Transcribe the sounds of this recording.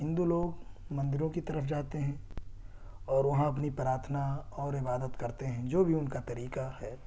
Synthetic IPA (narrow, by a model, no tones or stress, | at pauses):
ɦɪ̃nd̪uloːɡmɐ̃nd̪ɪɾõkit̪ɐɾəfd͡ʒaːt̪eɦɛ̃ | ɔːɾʋɐɦãɐp̬nipɾaːɾt̪ʰənaɔːɾɪbaːd̪ət̪kɐɾt̪eɦɛ̃d͡ʒoːbʱiʊnkat̪ɐɾiːkahɛː